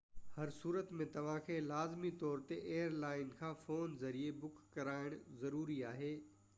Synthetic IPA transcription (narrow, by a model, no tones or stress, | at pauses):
hɐɾsuːɾət̪mẽt̪ɐʋ̤ãkʰeːlaːzmit̪ɔːɾt̪eʔeːjəɾlaːɪnkʰãːfoːnzɐɾiebʊkːɐɾaːɪɽ̃zɐɾuːɾiaːɦeː